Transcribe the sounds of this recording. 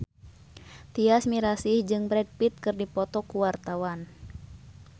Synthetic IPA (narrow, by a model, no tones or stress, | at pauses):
t̪iasmiɾasihd͡ʒɨŋbɾɛd̚pit̪̚kɨrdipɔt̪ɔkuwart̪awan